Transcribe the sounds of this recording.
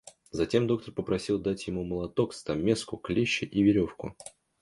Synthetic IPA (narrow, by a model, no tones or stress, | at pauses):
zɐtʲe̞md̪o̞k̚t̪ərpəpɾɐsʲilˠd̪atʲjɪmuməlˠɐt̪o̞kst̪ɐmʲeskʊklʲeɕːɪʔivʲɪɾʲo̞fkʊ̰